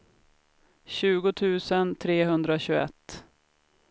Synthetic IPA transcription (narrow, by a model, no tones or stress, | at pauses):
ɕʉ̟ːɡʊt̪ʰʉ̟ːsənt̪ʰɾeːɦɵnd̪ɾaɕɵɛ̰t̪ː